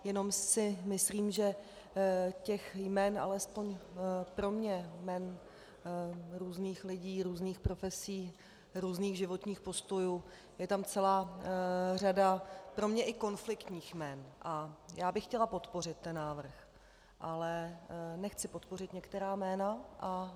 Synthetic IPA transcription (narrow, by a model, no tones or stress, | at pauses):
jɛno̞msɪmɪsliːmʒɛ | cɛxjmɛnʔa̰lɛspo̞ɲpɾo̞mɲɛmɛn | ɾuːzniːxlɪɟiːɾuːzniːxpɾo̞fɛsiː | ɾuːzniːɣʒɪvo̞t̪ɲiːxpo̞st̪o̞juː | jɛt̪amt͡sɛlaː | r̝adapɾo̞mɲɛʔɪko̞nflɪkt̪ɲiːxmɛnʔajaːbɪxcɛlapo̞t̪po̞r̝ɪt̪ːɛnːaːvr̩x | ʔalɛnɛxt͡sɪpot̪po̞rɪt̪ɲɛkt̪ɛɾaːmɛːnaʔa